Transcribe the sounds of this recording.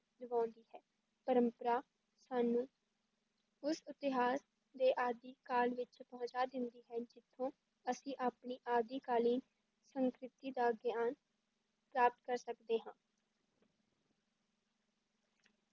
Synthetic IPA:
ləʋãːʊ̃nd̪iːɦɛː | pəɾəmpəɾaː | saːnũː | ʊsɪt̪ɪɦaːs | d̪eːʔaːd̪iːkaːlʋɪt͡ʃpəɦʊ̃t͡ʃaːd̪ɪnd̪iːɦɛːd͡ʒɪt̪ʰːõː | əsĩːʔaːpɳiːʔaːd̪iːkaːliːn | səŋkɾɪt̪iːd̪aːəɡjaːn | pɾaːp̚t̪kəɾsəkd̪eːɦãː

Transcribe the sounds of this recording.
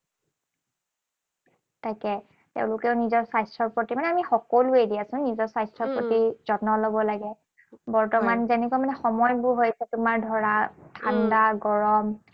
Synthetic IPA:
tajkɛ | tḛʊ̃lʊkɛʊnizɔɹsajstɹɔɹpotimanɛamixɔkolʊedijasʊ̃nizɔɹsajstɹɔpɹotiz̥ɔnɔlobɔlaɡɛ | bɔɹtɔmanzɛnɛkwamanɛxɔmɔjbʊɹɦojsɛtʊmaɹdʱɔɹatʰandaɡɔɹɔm

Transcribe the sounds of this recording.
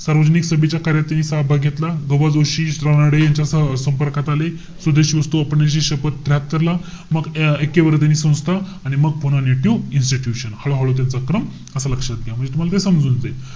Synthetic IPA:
saɾʋəd͡zəniksəbit͡ɕjakaɾjat̪ːjaniːsabʱaɡʱet̪laɡəʋad͡zoɕiɾanaɽejaɲt͡ɕjasəmpəɾkat̪ale | sud̪ʱeɕiːʋəst̪uapəɳjaɕ̬iːɕəpət̪̚d̪ɾjat̪̚kəɾla | məɡekːeʋəɾət̪̬janiːsə̃w̃d͡zt̪ʰa | aɽ̃iməɡ̚ponaneʈiinsʈiʈjuɕənhaɭoɦaɭot̪̬jant͡sakɾəm | əsaləkʂat̪̚ɡeam̤əɳd͡zet̪um̤alat̪esəmd͡zuːnd͡ze

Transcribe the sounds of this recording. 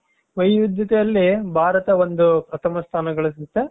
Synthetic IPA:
ʋɐjʋud̪jɐt̪ɛjɐlːibʱaːɾɐt̪ɐond̪upɾɐt̪ʰɐmɐst̪ʰaːnɐɡɐɭɐsit̪ːe

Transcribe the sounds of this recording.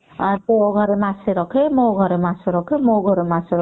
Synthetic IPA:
t̪ooɡʱʌɾemaseɾʌkʰemoɡʱʌɾemaseɾʌkʰemoɡʱʌɾemaseɾ

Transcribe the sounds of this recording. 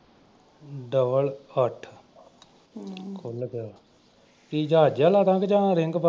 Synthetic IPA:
ɖəbələʈʰ | kʰolɡaː | kid͡ʒɦaːd͡ʒjãːlaːt̪ãːkd͡ʒãːɾɪŋɡbə

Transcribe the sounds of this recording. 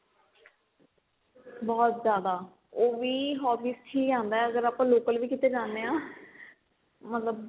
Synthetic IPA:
bɔːt̪zjaːd̪aː | oːʋiːɦɔːpiːsʈʰiːkd͡ʒãːnd̪aɛəɡəɾaːpãːloːkəlʋiːkɪt̪eːd͡ʒãːnd̪eːãː | mət̪ləb

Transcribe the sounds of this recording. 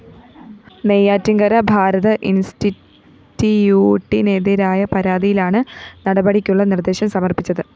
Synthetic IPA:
nejaːtːiŋɡɐɾɐbʱaːɾɐðɐʔinsti | tːijuːʈːineːðiɾaːjɐpɐɾaːd̪ijilaːɳɨnɐɽɐbɐɽikʲːuɭːɐnird̪eːɕɐmsɐmɐrpit͡ɕːɐðɨ

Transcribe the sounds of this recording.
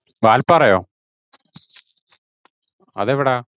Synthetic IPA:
ʋaːlpɐrɐjoː | ɐðeʋiɽe

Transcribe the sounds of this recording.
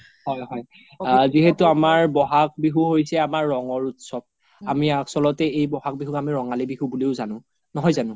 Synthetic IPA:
hɔjɦɔj | ziɦetuamaɹbɔɦak̚biɦuɦojsɛamaɹːɔŋɔɹutsɔb̚ | amiasɔlɔtɛejbɔhak̚biɦukamiɹɔŋalibiɦubuleʊzanʊ̃ | nɔɦɔjzanʊ̃

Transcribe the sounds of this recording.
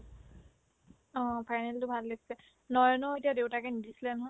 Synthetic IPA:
ɔ̃pʰajnɛltʊbʱalːəkʰi̥sɛ | nɔjɔnɔetijadewtakɛnidisilɛnɔɦɔ

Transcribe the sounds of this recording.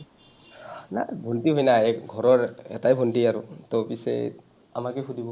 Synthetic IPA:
na̰bʱontiɦojnaeɡʱɔɹɔɹɛ̰tajbʱontiaɾut̪ɔpisɛ̰ | a̰makeɦʰudʱibɔ

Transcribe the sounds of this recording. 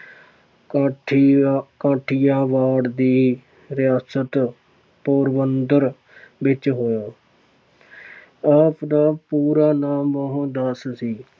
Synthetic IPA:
kãːʈʰɪjãːʋaːɽd̪iː | ɾɪjaːsət̪ | poːɾʋənd̪əɾ | ʋɪt͡ʃɦoːjaː | aːpʰd̪aːpuːɾaːnaːmːəɦũːd̪əssiː

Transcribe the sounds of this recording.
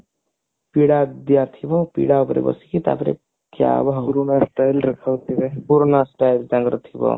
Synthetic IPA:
piɽad̪ijat̪ʰibɔpḭɽaɔpɾḛbʌ̰sikit̪a̰pɾḛ | kja̰baɦuɾonasʈajlɾɐkʰawt̪ʰibepuɾonasʈajld͡ʒãŋɡɾɔt̪ʰibɔ̰

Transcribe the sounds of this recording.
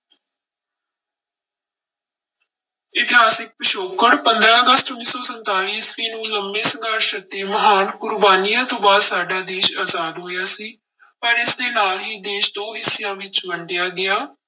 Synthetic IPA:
ɪt̪ɪɦaːsɪk̚pəʃoːkəɽpənd̪ɾãːəɡəst̪ʊnːiːsɔːsənt̪aːliːsʋiːnũːləmːeːsəzaːɾʃət̪ːiːməɦaːnkʊɾbaːniːãːt̪õːbaːd̪saːɖaːd̪eːʃaːzaːd̪ɦoːjaːsiː | pəɾɪsd̪eːnaːlɦiːd̪eːʃd̪oːɦɪsɪjãːʋɪt͡ʃbəɳɖɪjaːɡɪjaː

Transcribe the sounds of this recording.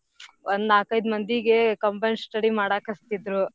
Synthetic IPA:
ʔond̪aːkɐjd̪mɐnd̪iɡekɐmpɐjnsʈɐɽimaːɽaːkɐst̪id̪ɾu

